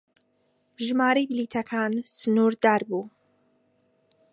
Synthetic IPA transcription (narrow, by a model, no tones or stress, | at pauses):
ʒmaːɾɐjbɪliːt̪ʰɐkʰaːnsɨnuɾd̪aːɾbuː